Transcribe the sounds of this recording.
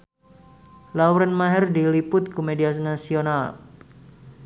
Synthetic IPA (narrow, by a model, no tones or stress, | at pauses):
lawɾɛnmaɦɛrdilipʊt̪̚kumediasnasional